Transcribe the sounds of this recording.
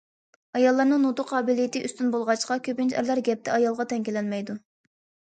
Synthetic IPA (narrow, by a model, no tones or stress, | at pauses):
ɑjɑlˠːɑɾnɨŋnut̪ʊqʰɑːbilijit̪ɨʔyst̪ynbolˠʁɑt͡ʃqɑkʲʰøpɪnt͡ʃæ̰ɾlˠæɾɡʲɛp̚t̪ʰɛɑjɑlˠʁɑt̪ʰɛŋkʲilɛnmɛjd̪u